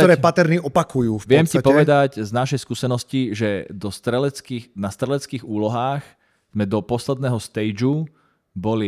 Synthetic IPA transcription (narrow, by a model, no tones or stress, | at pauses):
ɔɾɛːpat̪ɛɾniʔɔpakujuːfʋɪɛmcipɔʋɛd̪acznaʃɛjskuːsɛnɔsciʒɛd̪ɔst̪ɾɛlɛt͡skinast̪ɾɛlɛt͡skiːɣuːlɔɦaːx | z̥mɛd̪ɔpɔslɛd̪̚nɛːɦɔst̪ɛjd͡ʒu | bɔli